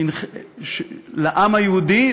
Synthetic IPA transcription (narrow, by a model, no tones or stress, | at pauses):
inʃlaʔamajeud̪i